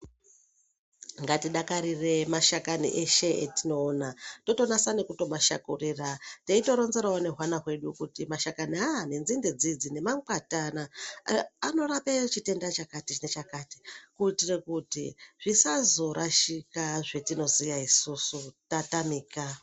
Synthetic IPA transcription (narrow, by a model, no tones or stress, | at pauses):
ŋɡatiɗakaɾire̞maʃakanḭʔeʃe̞ḛtino̞ːnato̞to̞nasanekuto̞maʃa̰kurirateito̞ɾo̞nze̞ɾaone̞ɦwanaɦwe̞ɗukutimaʃakaniane̞nzinded͡zid͡zine̞mak͡patanaː | no̞rapet͡ʃite̞ndat͡ʃakatit͡ʃnet͡ʃakati̥kuitirekutḭʐ̥isazo̞ɾʔaʃikaʐe̞tino̞zijaisusutatamiːka